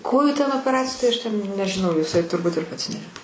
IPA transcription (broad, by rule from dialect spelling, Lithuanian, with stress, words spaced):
ˈkoːjuː tʲɛn oːpʲɛˈrɑːt͡sʲɪjʊ ˈtɐɪ ˈɐʃ tʲɛn nʲɛʒʲɪˈnɐʊ jɪˈsɐɪ tʊrˈbʊt ɪr ˈpɐts ˈnʲɛ